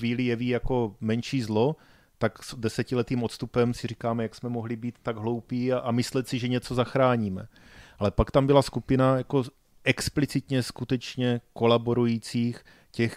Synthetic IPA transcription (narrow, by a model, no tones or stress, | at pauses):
viːlɪjɛviːjako̞mɛnʃiːzlo̞ | t̪aksdɛsɛcɪlɛt̪iːmot̪st̪upɛmsɪrikaːmɛjaksmɛmoɦlɪbiːt̪ːaɡɦlo̞wpiːaʔamɪslɛt̪sɪʒɛɲɛt͡so̞zaxɾaːɲiːmɛ | ʔalɛpakt̪ambɪlaskupɪnajako̞ | ʔɛksplɪt͡sɪt̪ɲɛskut̪ɛt͡ʃɲɛko̞labo̞ɾujiːt͡siːx | cɛx